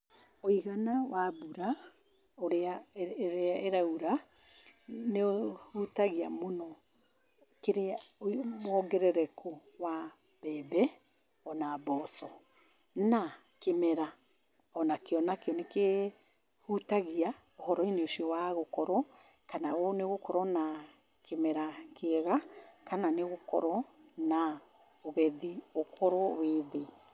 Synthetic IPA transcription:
oiɣanawʔabuɾa | oɾeaɾeaeɾauɾa | neohutaɣiamonɔ | keɾeaomɔɡɛɾɛɾɛkʰowa | b̥ɛbɛ | ɔnabɔsɔ | na | kemɛɾa | ɔnakeɔnakeɔneke | hutaɣia | ohɔɾɔineoʃiɔwaɣokɔɾɔ | kanaoneɣokɔɾɔna | kemɛɾakeɛɣakananeɣokɔ̰ɾɔna | oɣɛðiokɔɾɔweðe

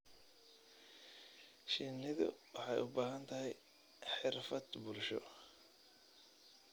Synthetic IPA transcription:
ʃɪnːɪðʊ̰wɑħɑjʊbaːɦɐnt̪ʰɐɦɛj | ħɪrfɐd̪bʊlʃɔ̰

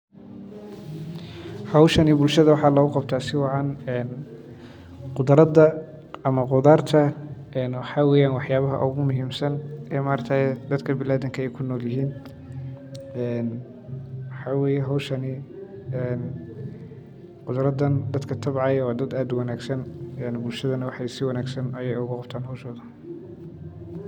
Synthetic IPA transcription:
hɐwʃɐnibʊlʃɐðɐwɑħɑːlɐːɣʊqɑbt̪ʰaːsɪwɑʕɑnɛn | qʊd̪ɾɐðɐ | ɐmɐqʊðaːrt̪ʰɐ | ɛnwɑħɑːwɛːjaːnwɑħjaːβɐɦɐ̰ʔʊ̰ɣʊmʊɦiːmsɐnɛːmaːrt̪ʰad̪ɐd̪kʰɐbɪlaːðɪŋkʰɐɛjkʰʊnːɔːljɐɦiːn | ɛn | wɑħɑːwɛːjɛɦɔwʃɐnɪɛn | qʊd̪ɾɐd̪ɐnd̪ɐd̪kʰɐt̪ʰɐbʕɑjɐwɑːd̪ɐd̪aːd̪wɑnaːɡsɐnɛnbʊlʃɐðɐnɐwɑħɑjsɪwɑnaːɡsɐnɐjɛjʊɣʊqɑb̚t̪ʰaːnɦɔwʃɔːðɐ

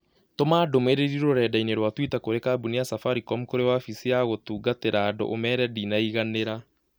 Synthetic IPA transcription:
tomaːdomeɾeiɾiɾoɾɛːdaineɾwatwitakoɾekaːbuniasafaɾikɔmkoɾewafisiaɣotuːɡateɾaːdo̰ʔomɛɾɛdiːnaiɣaneɾa

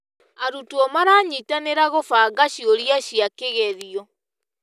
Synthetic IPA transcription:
aɾutuɔmaɾaːɲitaneɾaɣofaɡaɕioɾiaɕiakeɣɛðiɔ

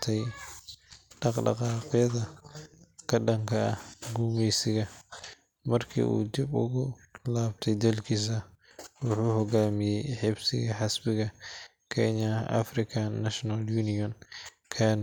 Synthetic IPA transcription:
t̪ʰɛj | ɖɑqɖɑ̰qɑːqjɐðɐ | kʰɐɖɐŋkʰɐɐɡuːmɛjsɪɣɐ | mɐrkʰḭːʔṵːd̪ɪbʊ̰ɣʊlaːbt̪ʰɛjd̪ɐlkʰiːs̬ɐ | wʊħuːhɔɡaːmɪjɛjħɪbsɪɣɐħɑsbɪɣɐ | kʰɛɲɐʔɐ̰frɪkʰanːɐʃnɐljuːnɪɔn | kʰɐːn

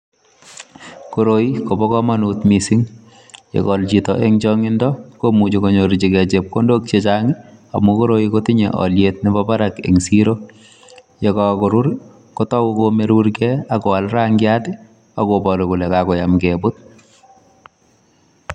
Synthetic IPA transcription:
koɾoikobɔkɔmanutmisiŋ | jḛkɔlt͡ʃitɔ̰ʔeŋt͡ʃɔŋɪndɔkomut͡ʃikoɲoɾit͡ʃikɛt͡ʃep̚kondok̚t͡ʃet͡ʃaŋɪa̰mukoɾoikotɪɲḛʔɔ̰ljetnibɔbaɾakḛŋsiɾo | jekɔkoɾuɾ | kotɔwukomeɾuɾkɛakɔalɾaŋɡjatɪ | akobɔlokulɛkakɔjamkebʊt̚

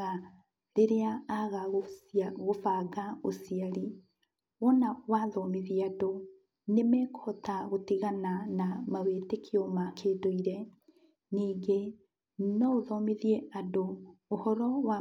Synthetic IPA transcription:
a | ɾeɾeaːɣaɣɣofaɣaosiaɾi | wɔnawaðɔmeðiado | nemɛkɔtaɣotiɣananamaweːtekʰiɔmakʰeːdoiɾɛ | niːɡe | nɔoðɔmeðiɛadoːhɔɾɔwa

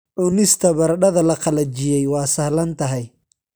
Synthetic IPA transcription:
ʕʊnɪst̪ʰɐbɐɾɖɐðɐlɐqɑlɐt͡ʃɪjɛjwɑːsɐhlɐnt̪ʰɐɦɛj

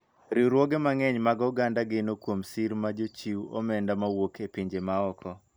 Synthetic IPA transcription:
ɾiɾwoɡemaŋɛɲmaɡɔɡandaɡɪnokwomsiɾmad͡ʒot͡ʃiwo̰mɛndamawokepiɲd͡ʒemaɔkʰɔ

